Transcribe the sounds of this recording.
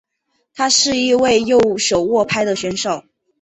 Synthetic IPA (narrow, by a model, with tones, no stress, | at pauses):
t̪ʰa˥ʂɻ̩˥˧i˥˧we˥˧ɪjo˥˩ʊʂo˨˩ʊwɔ˥˩pʰa˥ɪd̪ə˨ɕɥɛ˧˥nʂo˨˩˦ʊ